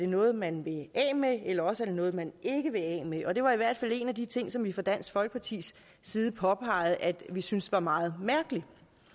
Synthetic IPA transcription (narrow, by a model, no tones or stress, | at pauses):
æɐɾ̥e̝nɔ̽ːð̞̩ˠmænʋe̝ɛ̰ːmeelɐɒ̽səæɐd̥e̝nɔ̽ːð̞̩ˠmæne̝ɡ̥əʋe̝ɛ̰ːmeʔɒ̽d̥e̝ʋɑ̈iʋæɐ̰d̥fæl̰e̝næd̥it͡sʰe̝ŋ̰sɒ̽mʋifɒ̽d̥æn̰sɡ̥fɒ̽lɡ̥əpʰɑ̈t͡sʰḭːs | siːð̩ˠpʰɒ̽pʰɑ̈ɪð̩ˠʔæd̥ʋisynsʋɑ̈mɑ̈ːð̞̩ˠmæɐɡ̥əli